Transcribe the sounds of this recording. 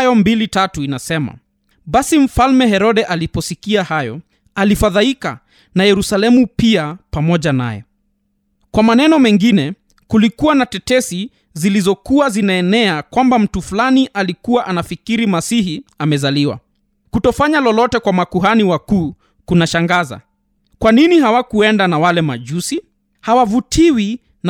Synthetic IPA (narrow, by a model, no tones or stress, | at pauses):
ajɔmbilitatuinasɛma̰ | ɓasim̩falmɛɦɛɾɔɗɛʔalipɔsikiahajɔ̰ | alifaðaika̰ | najɛɾusalɛmupiapamɔʄana̰jɛ̰ | kwamanɛnɔmɛŋɡinɛ | kulikuwanatɛtɛsi | zilizɔkuwazinaɛnɛakwambam̩tufulaniʔalikuwaʔanafikiɾimasiɦiamɛzaliwa̰ | kutɔfaɲalɔlɔtɛkwamakuɦaniwakuː | kunaʃaŋɡaza̰ | kwaninihawakuɛndanawalɛma̰ʄusi | hawavutʰiwi | n